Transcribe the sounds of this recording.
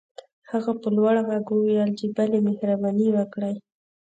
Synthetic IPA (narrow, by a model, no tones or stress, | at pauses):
haɣapəlwaɽaɣaɡuwjɑld͡ʒibalemehɾabɑniwəkɽəj